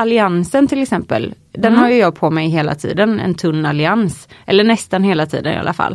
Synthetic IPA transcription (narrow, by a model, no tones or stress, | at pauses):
alɪansənt̪ʰɪlɛksɛmpə̰l | d̪ɛnhajɵjɑːɡ̚pʰɔmɛjɦeːla̰t̪ʰḭːd̪ənɛ̰nt̪ʰɵnːalɪansʔɛlːəɳɛst̪anheːlat̪ʰḭːd̪ənɪ̰a̰a̰fa̰lː